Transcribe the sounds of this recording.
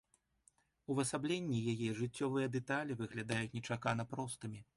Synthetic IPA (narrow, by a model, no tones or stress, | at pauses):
uvɐsablʲenʲːijajɛʐɨt͡sʲːɔvɨjɐd̪ɛt̪alʲivɨɣlʲad̪ajut͡sʲnʲɛt͡ʂakan̪ɐpɾɔst̪ɨmʲi